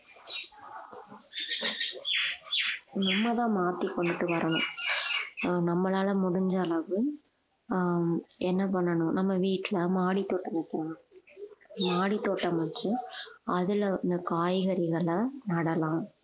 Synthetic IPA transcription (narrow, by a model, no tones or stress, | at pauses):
nʊmːɐt̪ãːmaːt̪ikːɔɳɖɯʈːɯʋɐɾʔɐɳʊ̰̃ | nɐmːɐlaːlɐmʊɽʊɲd͡ʒɐlɐʋɯ | ɛnːɐpɐɳːɐɳʊ̃nɐmːɐʋiːʈːlɐmaːɽit̪ːoːʈːɐmɐkːɐ | maːɽit̪ːoːʈːɐmɐt͡ʃːɯɐðɪlɪnd̪ɐkaːjɣɐɾɪɣɐɭɐnɐɽɐlãː